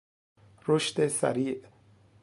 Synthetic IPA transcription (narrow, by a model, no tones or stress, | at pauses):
ɾoʃt̪esa̰ɾiːʔ